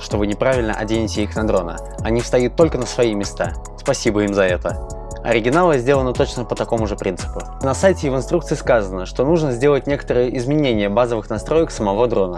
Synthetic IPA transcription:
ʂt̪o̞vɨnʲɪpɾavʲɪlʲnə̰ʔɐ̰dʲenʲɪtʲɪixnɐd̪ɾo̞nə̰ | ɐnʲifst̪ɐjut̪ːo̞lʲkənəsvɐimʲɪst̪a̰ | spɐsʲibəimzɐɛt̪ə | ɐ̰ɾʲɪɡʲɪnalˠɨzʲdʲe̞lənət̪o̞t͡ɕnəpət̪ɐko̞mʊʐɨpɾʲint̪sɨ̥pʊ | nɐsajtʲɪvɨnst̪ɾukt̪sɨɪskazənəʂt̪o̞nuʐnəzʲdʲe̞lˠət̚ʲnʲe̞kə̥t̪əɾɨjəʔɪzmʲɪnʲenʲɪjəbazəvɨxnɐst̪ɾo̞jəksəmɐvo̞d̪ɾo̞nə

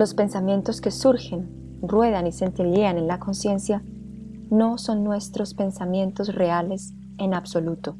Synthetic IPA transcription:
lo̞spe̞nsamje̞nt̪o̞ske̞suɾxe̞n | rwe̞ð̞anise̞nt̪eʎeane̞nlako̞nsje̞nsja | no̞so̞nːwe̞st̪ɾo̞spe̞nsamje̞nt̪o̞sre̞ale̞s | e̞nabso̞lut̪o

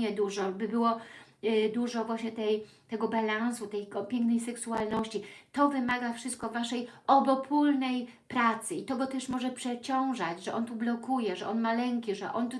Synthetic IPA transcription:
ɛd̪uʐɔbɘbɘwɔ | d̪uʐɔvwaɕɲɛt̪ɛjt̪ɛɡɔbalansut̪ɛjpʲjɛŋknɛjsɛksualnɔɕt͡ɕit̪ɔvɘmaɡafʂɨst̪kɔvːaʂɛjɔbɔpʰulnɛj | pɾat̪sɘit̪ɔɡɔt̪ɛʂmɔʐɛpʂɛt͡ɕɔ̃w̃ʐad͡ʑʐɛʔɔnt̪ublɔkujɛʐɛʔɔnmalɛŋkʲiʐɛ̰ʔɔnt̪u

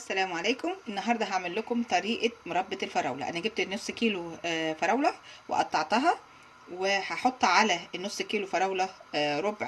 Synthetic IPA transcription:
ʔæsːælæːmʕaleːkomʔenːɑɦɑɾˤd̪ˤɑɦaʕmelːækomt̪ˤɑɾiːʔɑmoɾˤɑbːɑt̪elfɑɾˤɑ̰wlɑ̰ʔæ̰næɡeb̚t̪nːosˤːkiːlofɑɾˤɑwlɑwḛʔɑ̰t̪ˤːɑʕt̪ˤɑɦɑ | wehɑħot̪ˤːʕalænːosˤːkiːlofɑɾˤɑwlɑɾˤobʕ

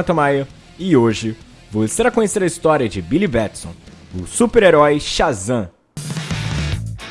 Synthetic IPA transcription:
ɐt̪ɐ̃majɐ | ɪoʒɪ | voseɾakõɲeseɾɐist̪ɔɾiɐd͡ʒɪbilibɛt̪sõ̰w̃ | ʊsupeɾeɾɔjʃazɐ̃

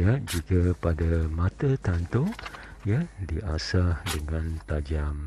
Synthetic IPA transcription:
jad͡ʒikapadamãt̪at̪ant̪o | jadiʔasahdəŋãnt̪ad͡ʒam

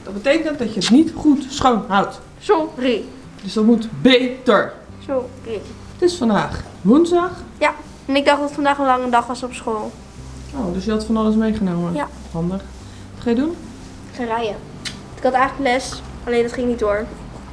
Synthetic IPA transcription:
d̥ɔt̚bətejkəəndɔtjəətnitχutsχownɦawt | sori | døsdɔtmutbejtəɹ | sori | tɪsfɑndaːχ | ʋunzdɑχja | ɛnɪɡ̚dɑχdɔtətfɑndaːχənlɑŋəndɑχʋɑsɔpsχoːlˠ | owdøsjəɦɑtfɔnɑləs̬mejχənowmə | ɔndər | ɑtχajədun | χarɛjə | tɪkhɑtɛjχləkəlɛs | ɑleːndɑtχɪŋnitdoːɹ

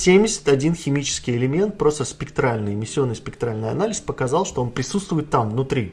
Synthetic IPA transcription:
sʲemʲdʲɪsʲɪ̥t̪ɐdʲinxʲɪmʲit͡ɕɪ̥skʲɪjɪlʲɪmʲe̞nt̪̚pɾo̞st̪əspʲɪkt̪ɾalʲnɨjɪmʲɪsʲːɪo̞nːɨjspʲɪk̚t̪ɾalʲnəjɐ̰nalʲɪspəkɐzɑlˠʂt̪o̞o̞npɾʲɪsut̪st̪vʊjɪt̪ːamvnʊt̪ɾʲi

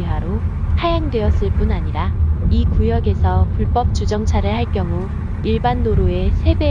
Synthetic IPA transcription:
iɦaɾohajaŋdwe̞ʌs͈ɯɭp͈unaɲiɾaikujʌɡe̞sʰʌpuɭp͈ʌp̚t͡ɕ͈ud͡ʑʌŋt͡ɕʰaɾɯɭhaɭk͈jʌŋu | iɭbanːoɾoe̞sʰe̞be

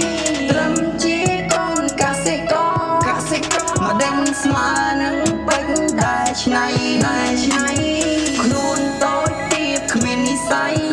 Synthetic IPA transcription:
t̪rəmt͡ɕiəkɔːnkaːsekɑːkasekɑməɗəŋsmaːənɨŋɓək̚ɗ̪aɛlt͡ɕʰnajɗaɛt͡ɕʰnajkʰluənt̪oːc̚t̪iəp̚kʰmiənisaj

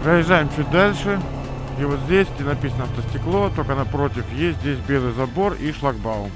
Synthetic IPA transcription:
pɾəjɪʐːajɪmt͡ɕut̚ʲd̪alʲʂɨ | ivo̞t̪zʲdʲesʲɡdʲenɐpʲisənəɐft̪əsʲtʲɪklˠot̪okənɐpɾo̞tʲɪfjesʲt̪ʲzʲdʲesʲbʲelˠɨjzɐbo̞riʂlˠɐɡbaʊ̰

